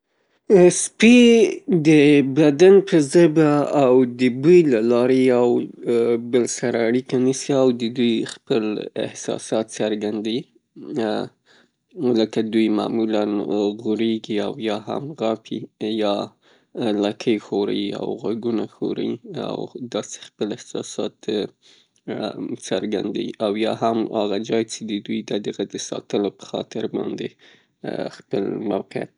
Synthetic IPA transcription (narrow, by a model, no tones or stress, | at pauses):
spid̪əbad̪anpʰəzəjbaːwd̪əbəjlalɑɾejaw | bəlsaɾaaɽikanisiawd̪əd̪ujxpəlɪ̰hsɑ̰sɑt̪saɾɡand̪ai | ləkad̪ujmɑ̰mulanɣuɾeɡiawjɑɦa̰mɣapʰijɑ | lakʰəjxoɾa̰jia̰wɣaɡunaxo̰ɾa̰ia̰wd̪ɑse̥xpəlɪhsɑsɑt̪ | səɾɡa̰nd̪a̰wḭʔawjɑɦamaɣad͡ʒɑjt͡ʃed̪əd̪ujd̪əd̪əɣad̪əsɑ̰t̪əlopə̥xɑ̰t̪ɪɾbɑ̰nd̪e | xpəlmawqɪja̰t̪̚